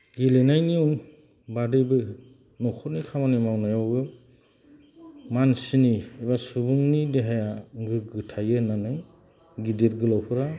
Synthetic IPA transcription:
ɡilenajniun | badɯbɯ | nɔkʰɔtnikʰamanimawnajawɡɯ | mansiniebasubɯŋnideɦajaɡɯɡɯtʰajɯnanɯj | ɡidiɾɡɯlɔwpʰɯɾa

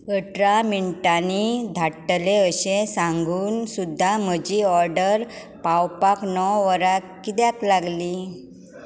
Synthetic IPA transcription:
kəʈɾamiɳʈanid̪ʱaʈːleəɕẽsãŋɡuːnsud̪ʱːam̤əd͡ʑiːɔɾɖəɾ | pawpaknɔʋəɾa | kːit̪jaklaɡli

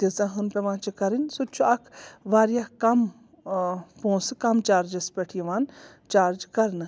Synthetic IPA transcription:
t̪izãːɦɨnpʲeʋãːt͡ʃʰikɐɾinʲsut͡ʃʰuɐkʰʋaːɾjakɐm | põːsɨkɐmt͡ʃaːɾd͡ʒɐspʲeʈʰijiʋaːn | t͡ʃaːɾd͡ʒkɐɾnɨ

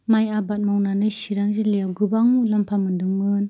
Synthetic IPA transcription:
majabat̚mawnanɯjsiɾaŋzelejawɡɯbaŋulampʰamɯndɯŋmɯn

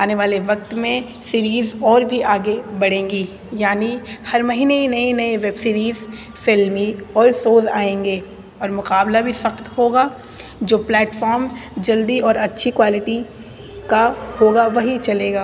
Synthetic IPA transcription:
aːneʋaːleʋɐkt̪mẽ | siːɾiːzɔːɾbʱiaːɡebɐɽ̤ẽːŋɡiː | jaːnihɐɾmɐɦiːneinɐinɐeʋebsiːɾiːz | fɪlmiɔːɾsoːza̰ːẽːŋɡeː | ɔːɾmʊqaːblabʱisɐxt̪hoːɡaː | d͡ʒoːplɛːʈfɔːɾmzd͡ʒɐld̪iɔːɾɐtːʃʰikʋaːlɪʈi | kahoːɡaʋɐɦit͡ʃɐleːɡaː

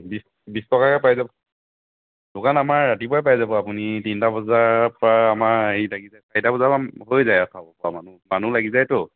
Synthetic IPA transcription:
bis | bistɔkakɛpajzabɔ | dʊkanamaɹːatip̬ajpajzabɔapunitintabɔzaɹpɹaamaɹeilaɡizajsaitabɔzaaɦojzajasʰabɔpɔamanumanulaɡizajtʊ

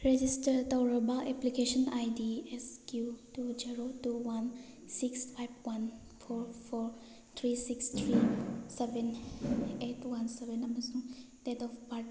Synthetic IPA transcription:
ɾed͡ʒistɐɾtɐwɾɐbaʔeplikesɔnajdieskjutud͡ʒiɾotuwan | sikspʰajb̚wan | pʰoɾpʰoɾ | t̪ʰɾisikst̪ʰɾisebʱen | etʰwansebenɐmɐsuŋtetɔpʰpaɾ

